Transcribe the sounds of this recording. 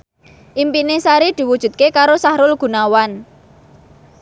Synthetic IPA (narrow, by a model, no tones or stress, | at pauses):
ʔimpinesaɾid̪̥i̤wud̥ʒ̥ṳt̪̚kekaɾosahɾʊlɡ̥ṳnawan